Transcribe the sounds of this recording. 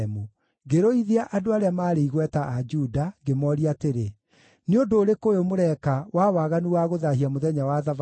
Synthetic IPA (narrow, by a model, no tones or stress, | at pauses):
mu | ɡeɾoiðeaʔadoaɾeamaːɾeiɣwɛtaʔːd͡ʒudaɡemɔɾiateɾe | neodoːɾekojomoɾɛkawawaːɣaniwaɣoðaɦiamoðɛɲawaðav